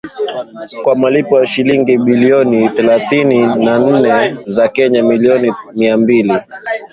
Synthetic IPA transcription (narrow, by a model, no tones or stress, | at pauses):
kwamalipɔjaʃiliŋɡiɓiliɔniθɛlaθininan̩nɛzakɛɲamiliɔnimiambili